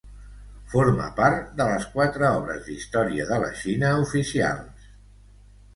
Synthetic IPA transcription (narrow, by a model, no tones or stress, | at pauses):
foɾmə̰paɾt̪d̪ələskwat̪ɾəɔβɾə̰zðist̪ɔɾiəðələ̰ʃinəufisia̰lˠs